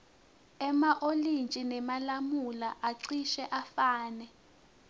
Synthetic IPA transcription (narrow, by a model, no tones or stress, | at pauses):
ɛmaʔolint͡ʃʼinɛmalamulaʔaǀiʃɛʔafaːnɛ